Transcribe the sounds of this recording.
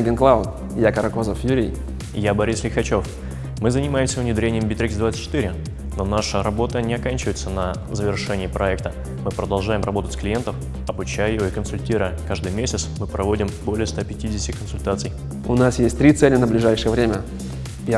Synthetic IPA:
ɡʲɪnklˠaʊt̪̚ | jakəɾɐkozəfjuɾʲɪj | jabɐɾʲislʲɪxɐt͡ɕo̞f | mɨzənʲɪmajɪmsʲəvʊnʲɪd̪ɾʲenʲɪjəmbʲɪt̪ɾʲikʲzd̪vat̪st̪ʲt͡ɕːɪt̪ɨɾʲɪ | no̞naʂəɾɐbo̞t̪ənʲɪɐkanʲt͡ɕɪvəɪt̪sənə | zəvʲɪrʂɛnʲɪːpɾʔɐɛk̚t̪ə | mɨpɾəd̪ɐlˠʐajɪmrɐbo̞t̪ətʲsʲklʲɪjent̪əf | ɐbʊt͡ɕæjɪjoikənsʊlʲtʲiɾʊjəkaʐd̪ɨjmʲesʲɪt̪smɨpɾʔɐvo̞dʲɪmbo̞lʲɪjəst̪apʲɪtʲidʲɪsʲtʲɪ̥kənsʊlʲt̪at̪sɨj | ʊnasjesʲt̚ʲt̪ɾʲit̪sɛlʲɪnəblʲɪʐajʂɨjəvɾʲemʲə

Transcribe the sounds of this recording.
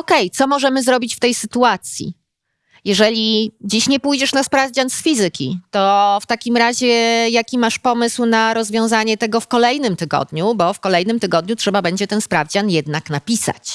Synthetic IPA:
ɔkɛjt̪sɔmɔʐɛmɘzɾɔbʲit͡ɕft̪ɛjsɘt̪uat̪sʲjḭ | jɛʐɛlʲid͡ʑiɕɲɛpujd͡ʑɛʂnaspɾavd͡ʑansfʲizɘkʲḭt̪ɔft̪akʲimɾaʑɛjakʲimaʂpɔmɘswnaɾɔzvʲjɔ̃w̃zaɲɛt̪ɛɡɔfkɔlɛjnɘmt̪ɘɡɔ̰d̪ɲubɔfkɔlɛjnɘmt̪ɘɡɔd̪ɲutʂɛbabɛɲd͡ʑɛt̪ɛnspɾavd͡ʑanjɛd̪naknapʲisa̰t͡ɕ

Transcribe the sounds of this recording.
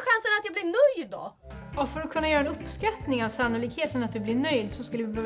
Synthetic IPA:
ɧansənat̪jablɪɾnœjd̪ːɔ̰ | ɔfœɾɔkʰɵnːajœɾaɛnɵpːskat̪nɪŋavsanːʊliːkheːt̪ənat̪̚d̪ɵblɪɾɳœjd̪sɔskɵlːəvɪbøː

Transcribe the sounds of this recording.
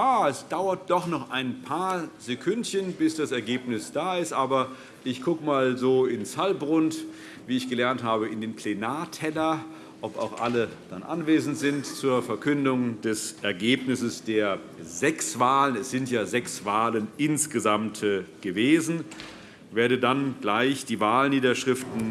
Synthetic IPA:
aːɛsd̥aʊɐt̚d̥ɔχnɔχʔaɪnpʰaːɐzekʰʊntçənbɪsd̥asɛɐɡeːpnɪsd̥aːɪstʔaːbɐ | ʔɪçɡ̥ʊkəmaːlzoːɪnshalbʁʊnt | viːɪçɡ̥əlɛɐnthaːbəɪndeːnpʰl̥enaːɐtʰɛlɐ | ʔɔpa̰ʊxʔaləd̥anʔa̰nveːzn̩tz̥ɪntt͡suːɐfɛɐkʰʏndʊŋdɛsʔɛɐɡeːpnɪsəsd̥eːɐ | zɛksv̥aːlənɛsz̥ɪntjaːzɛksv̥aːlənʔɪnsɡ̥əzamtɡ̥əveːzn̩ | veːɐɾədanɡ̥laɪçd̥iːvaːlniːdɐʃʁ̥ɪftn̩

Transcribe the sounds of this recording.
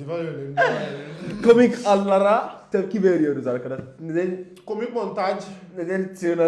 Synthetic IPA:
komikalːaɾat̪ebkʲiʋeɾijoɾuzaɾkɐɾaned̪en | komikmont̪ad͡ʒ | ned̪ent͡sina

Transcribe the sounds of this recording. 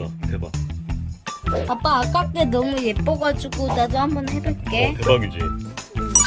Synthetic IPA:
tʰeba | pap͈aːk͈ak͈enoŋujep͈oɡat͡ɕuɡut͡ɕadohambʌnhebɯɭk͈etʰebaɡid͡ʑi

